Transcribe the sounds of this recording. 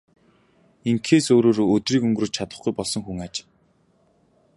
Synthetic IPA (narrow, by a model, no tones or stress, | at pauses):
iŋkʰeːsoːɾoːɾoːɵt̪riːkɵŋɡrɵ̆ːt͡ɕt͡ɕʰat̪ə̆χɡujpɔɮsɞ̆ŋxuŋat͡ɕ